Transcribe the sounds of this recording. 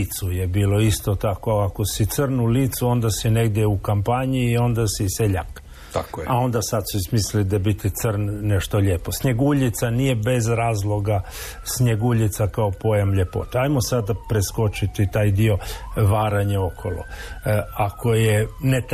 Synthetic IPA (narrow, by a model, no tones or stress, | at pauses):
t̪sujebiːlo̞ist̪o̞t̪ako̞ako̞sit̪srnuliːt̪suo̞nd̪asine̞ɡd̪jeukampaɲiːo̞nd̪asiseʎa̰k | t̪akao̞nd̪asad̪suismislid̪abit̪it̪sərnːeʃt̪o̞ʎe̞ːpo̞sɲe̞ɡuʎit̪sanije̞be̞zɾaːzlˠo̞ɡa | sɲeɡuʎit̪sakaopo̞jamʎepo̰t̪eajmosad̪apɾesko̞t͡ʃit̪it̪aːjd̪io̞ʋaːɾaɲeo̞kʰo̰lo̰ | ako̞jenet̪